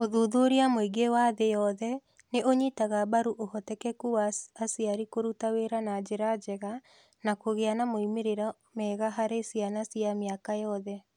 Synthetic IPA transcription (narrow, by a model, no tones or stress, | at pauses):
oðuðoɾiamoiɡewaðejɔðɛ | neoɲitaɣaβaɾuʔohɔtɛkɛkuaasiaɾikoɾutaweɾanad͡ʑeɾad͡ʒɛɣa | nakoɣeanamoimeɾeɾa | mɛɣaɦaɾesianasiameakajɔðɛ